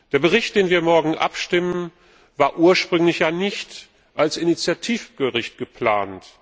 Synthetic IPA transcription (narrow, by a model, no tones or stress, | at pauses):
d̥eːɐbəʁ̞ɪçt̚d̥eːnviːɐmɔɐɡŋ̩ʔa̰pʃtɪmən | vaːɐʔuːɐʃpʁ̥ʏŋlɪçjaːnɪçt | ʔalsɪnit͡sjatʰiːfɡ̥əʁɪçt̚ɡ̥əpl̥aːnt